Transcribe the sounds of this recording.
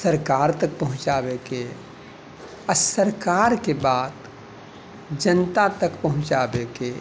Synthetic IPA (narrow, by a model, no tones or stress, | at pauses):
səɾkaːɾt̪ɐk̚pɐɦʊ̃t͡ʃaːbeːkeː | əsəɾkaːɾkebaːd̪ | d͡ʒənt̪at̪əkpɐɦʊ̃t͡ʃaːbeːkeː